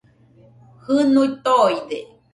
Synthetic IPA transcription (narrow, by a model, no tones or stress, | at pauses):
hɨnuit̪ojd̪e